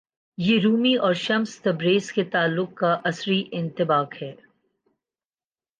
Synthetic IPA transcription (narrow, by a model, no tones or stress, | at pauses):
jeːɾuːmiʔɔːɾʃɐmst̪ɐbɾeːsket̪aːlːʊk̚kːaʔɐsɾiʔɪ̃nt̪ɪbaːkhɛː